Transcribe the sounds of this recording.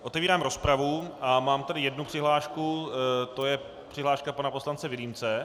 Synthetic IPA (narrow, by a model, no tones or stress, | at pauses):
ʔo̞t̪ɛviːɾaːmɾo̞spɾavuʔamaːmt̪adɪjɛdnupr̝̥ɪɦlaːʃkut̪o̞jɛ | pr̝̥ɪɦlaːʃkapanapo̞slant͡sɛvɪlimt͡sɛ